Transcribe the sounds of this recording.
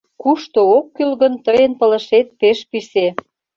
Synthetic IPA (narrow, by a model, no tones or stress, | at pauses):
kuʃt̪ookːylɣə̆nt̪əjənpələ̆ʃet̪̚peʃpise